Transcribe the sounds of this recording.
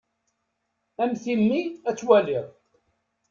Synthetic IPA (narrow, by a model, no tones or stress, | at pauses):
æmθimːiæt͡sːwæliðˤ